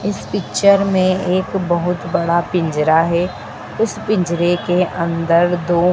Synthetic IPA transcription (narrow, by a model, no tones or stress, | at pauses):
ɪspɪkt͡ʃəɾmẽeːkbɐɦʊt̪bɐɽapɪ̃ɲd͡ʒɾaɦɛː | ʊspɪ̃ɲd͡ʒɾekeʔɐ̃nd̪əɾd̪oː